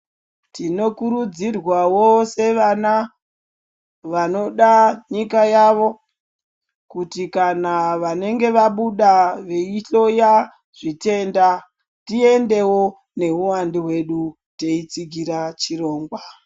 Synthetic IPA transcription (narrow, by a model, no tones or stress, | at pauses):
tino̞kuɾud͡zirwawose̞ʋana | ʋano̞ɗaɲikajaʋo̞ | kutikanaʋane̞ŋɡe̞ʋaɓuɗaʋeiɬo̞ja | ʐ̥ite̞nda | tie̞nde̞wo̞ | ne̞ɦuwandiɦwe̞ɗu | teit͡siɡʱiɾat͡ʃiro̞ːŋɡwa